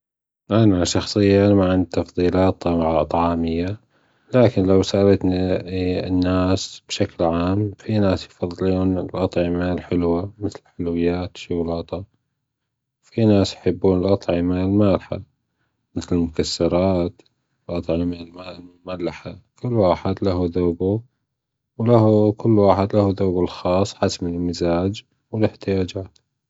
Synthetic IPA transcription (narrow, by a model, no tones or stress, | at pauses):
ʔanaʃɑxsˤɨjːaamaʕɪnd̪̚t̪ɑfðˤiːlɑːt̪ˤːɑmaʕaʔɑt̪ˤʕɑːmɪjːa | laːkɪnlawsaʔlat̪ni | nːaːsb̥ʃaklʕaːmfinaːsjfɑðˤːɨluːnɪlʔɑt̪ˤʕɪmalħɪlwamɪθlɪħʊlwɪjːaːt̪ʃʊɣlɑːt̪ˤɑ | wfinaːsjħɪbːuːnɪlʔɑt̪ˤʕɪmalmaːlħa̰ | mɪθlɪlmʊkasːɑɾˤɑːt̪ | ɪlʔɑt̪ˤʕɪmalmaːlmʊmalːaħakʊlːwaːħɪd̪laɦuðoːbu | wlahukʊlːwaːħɪd̪lahuðoːbalxɑːsˤːħasmɪlmɪzaːd͡ʒ | wɪlɪħt̪ɪjaːd͡ʒaːt̪